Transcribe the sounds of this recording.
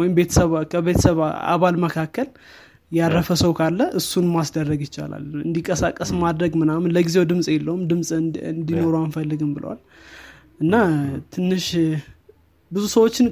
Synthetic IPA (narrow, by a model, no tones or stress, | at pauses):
wɔjɪmbe̞t̪ʰə̥səβkʰəβe̞t̪ʰəsəβa̰βalməkʰakːəl | jaɾːəfəsəwkʰalːəʔɨsːunmasd̪ərːəɡjɪt͡ʃːa̰la̰lɨnd̪ikʼːəsakʼːəsmad̪ɾəɡmɨnamɨnləɡize̞wd̪ɨmsʼjɛlːəhumd̪ɨmsʼnd̪ino̞ɾoanfəlːɨɡɨmbɨlə̰wa̰l | ʔɨnːat̪ʰɨnːɨʃ | bɨzusəwo̞t͡ʃːɪn